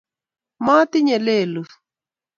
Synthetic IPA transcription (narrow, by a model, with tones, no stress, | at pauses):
ma˦t̪ɪ˦ɲɛ˨le˦˨lu˨